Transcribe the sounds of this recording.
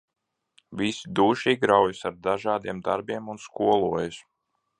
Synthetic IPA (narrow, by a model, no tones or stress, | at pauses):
vʲisid̪uːʃiːɡɾawjsaɾd̪aʒaːd̪iɛmd̪aɾbiɛmunskuɔlˠuɔjus